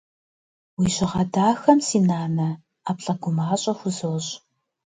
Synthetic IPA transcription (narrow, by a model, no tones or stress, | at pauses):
wiːʑɪʁɐdaːxɐmsiːnaːnɐ | aːpɬʼɐɡʷʊmaːɕʼɐxʷʊzɨwɕʼ